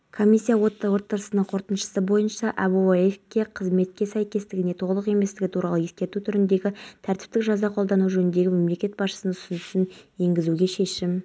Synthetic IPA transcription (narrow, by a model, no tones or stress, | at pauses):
kʰo̞mʲisʲːijawo̞t̪ːɑwo̞t̪ːɑɾəsənəɴqʰo̞ɾt̪ənʃə̥səbo̞jənʃɑʔabuefkʲːe̞qʰəzme̞t̪̚kʲːe̞sæjkʲe̞st̪ɪɡʲɪne̞t̪ʰo̞ʁlˠəqe̞me̞st̪ɪɡʲɪt̪ʰuɾɑlˠəje̞skʲe̞ɾt̪ut̪ʰʏɾɪnd̪e̞ɡʲɪt̪ʰæɾt̪ɪ̥p̚t̪ɪkʒɑzɑqʰold̪ɑnuʒɵnɪnd̪e̞ɡʲɪme̞mle̞kʲe̞t̪̚bɑsʃə̥sənʊ̥sʊnʊsənje̞ŋɡʲɪzuɡʲe̞ʃe̞ʃɪm